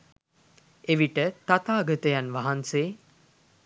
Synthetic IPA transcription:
eʋiʈət̪at̪aːɡət̪əjanʋaɦanseː

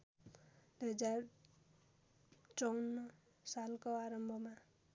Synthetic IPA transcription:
d̪̥uɦʌd͡zar | t͡sʌwnːʌ | salkoaɾʌmbʱʌma

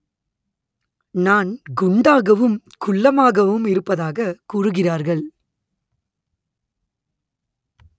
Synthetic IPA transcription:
naːnɡʊɳɖaːɣɐʋɯm | kʊɭːɐmaːɣɐʋɯmɪɾɯpːɐðaːɣɐkuːrɯɣɪraːɾɣɐɭ

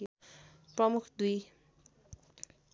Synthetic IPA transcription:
prʌmukʰd̪uj

